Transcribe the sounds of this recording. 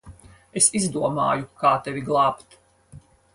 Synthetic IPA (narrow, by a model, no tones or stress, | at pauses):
esizd̪uɔma̰ːjukaːt̪ɛvʲiɡlˠaːpt̪